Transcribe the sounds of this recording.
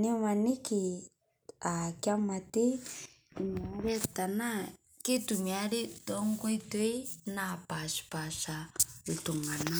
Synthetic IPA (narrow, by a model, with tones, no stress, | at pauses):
ne˦ma˨ni˦ki˨ | a˨kja˦ma˨te˦˨ | mɔ˨˦ɾɛ˦ta˨na˦ | ke˦tu˨mi˨a˦ɾe˦tɔ˦ŋ˦ɡi˦twe˦na˨pa˨ʃi̥˨pa˨ʃa˨l̩˨tu˨ŋɡa˨na˦